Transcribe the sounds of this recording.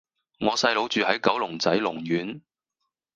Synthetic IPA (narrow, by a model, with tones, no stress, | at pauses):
ŋɔː˨˧sɐ˧jlo˨˧˥wt͡ʃyː˨hɐ˨˥jkɐ˨˥wlʊ˨˩ŋt͡sɐ˨˥jlʊ˨˩ŋjyː˨˥n